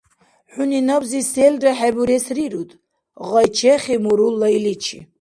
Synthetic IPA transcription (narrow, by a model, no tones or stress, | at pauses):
ħuninabzisɛldaħɛbuɾɛsriɾud̪ | ʁɑjt͡ʃʰɛχimuɾulːailit͡ʃʰḭ